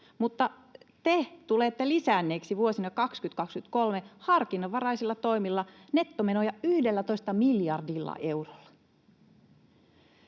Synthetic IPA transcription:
mut̪ːɑ | t̪et̪uleːt̪ːelisæːnːeːksiʋuosinɑkɑkskyt̪kɑkskyt̪kolmehɑrkinːɑʋɑrɑjsilːɑt̪o̞imilːɑne̞t̪ːome̞nojɑyhdelːæt̪o̞ist̪ɑmiljɑrdilːɑ̰ʔe̞uro̥lːɑ̥

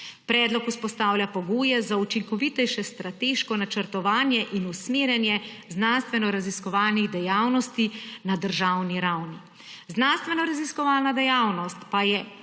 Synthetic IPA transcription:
pɾɛːd̪lɔkuspɔst̪aːwlʲjʲapɔɡuːjɛzaut͡ʃiŋkɔʋit̪ɛjʃɛst̪ɾat̪eːʃkɔnat͡ʃəɾt̪ɔʋaːnjɛʔinusmeːɾjɛnjɛ | znanst̪ʋɛnɔɾaziskɔʋaːlniɣd̪ɛjawnɔst̪inad̪əɾʒawniɾawni | znanst̪ʋɛnɔɾaziskɔʋaːlnad̪ɛjawnɔst̪pajɛ

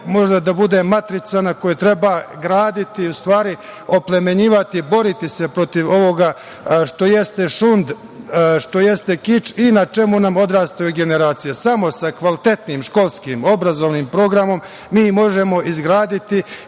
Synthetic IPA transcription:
mo̞ʒd̪ad̪abud̪e̞mat̪ɾit̪sanako̞jet̪ɾe̞baɡɾaːd̪it̪iust̪ʋaːɾi | o̞ple̞me̞ɲiːʋat̪ibo̞ɾit̪ise̞pɾo̞t̪iʋo̞ʋo̞ɡa | ʃt̪o̞je̞st̪e̞ʃund̪ | ʃt̪o̞je̞st̪e̞kit͡ʃinat͡ʃe̞munamo̞d̪ɾaːst̪ajuɡe̞ne̞ɾaːt̪sijesamo̞sakʋalit̪e̞t̪niːmʃko̞lˠskiːmo̞bɾazo̞ʋniːmpɾo̞ːɡɾamo̞mː | iːmo̞ʒe̞mo̞ʔizɡɾaːd̪it̪i

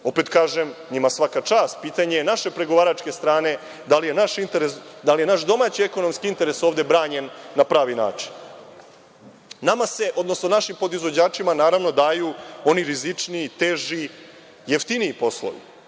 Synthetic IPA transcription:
o̞pet̪kaːʒemɲimasʋakat͡ʂaːst̪̚piːt̪aɲe̞jenaʃe̞pɾe̞ɡo̞ʋaːɾat͡ʂke̞st̪ɾaːne̞ | d̪alijenaʃint̪eɾesd̪alije̞naʃd̪o̞maːt͡ɕieko̞no̞mskiint̪e̞ɾeso̞ːʋvd̪e̞bɾaːɲe̞nːapɾaːʋina̰ːt͡ʂi̥n | amase̞ʔo̞d̪nosnonaʃimpo̞d̪izʋo̞d͡ʑaːt͡ʂimanaːɾaʋno̞d̪aːjuo̞niɾizit͡ʂniːt̪eːʒi | jeft̪iniipo̞slˠo̰ʋḭ

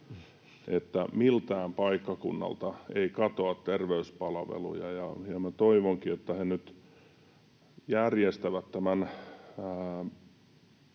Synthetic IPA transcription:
et̪ːæmilt̪æːmpɑikːɑkunːɑ̰lt̪ɑeikɑt̪oɑt̪t̪erʋeyspɑlʋḛlṵjɑjɑjɑmæt̪oiʋoŋkiot̪ːɑhenyt̪ | jærjest̪æʋæt̪t̪æmænː

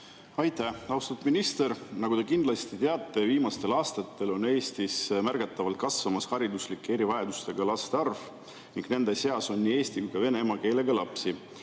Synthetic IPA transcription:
ɑjt̪ːˑæɑust̪ɑt̪minist̪e̞ɾnɑɡut̪e̞kind̪lɑst̪it̪eɑt̪ːˑe̞viːmɑst̪e̞lɑːst̪ɑt̪ːˑe̞lo̞neːst̪ismærɡ̥ɑt̪ːˑɑvɑlt̪̚kɑsvɑmɑshɑɾid̪uslikːeeɾivɑjɑd̪ust̪e̞ɡ̥ɑlɑst̪eɑrv̥ | niŋɡ̥ne̞nd̪̥e̞se̞ɑso̞nʲːiːe̞ːst̪ikujkɑve̞ne̞mɑke̞ːle̞ɡ̥ɑlɑpsi

